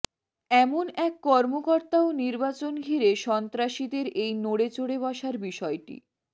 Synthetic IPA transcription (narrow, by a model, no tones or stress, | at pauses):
ɛmonɛkːɔɾmokɔɾt̪aoniɾbat͡ɕonɡʱiɾeʃɔnt̪ɾaʃid̪eɾejnoɽet͡ɕoɽeβɔʃaɾbiʃɔeʈḭ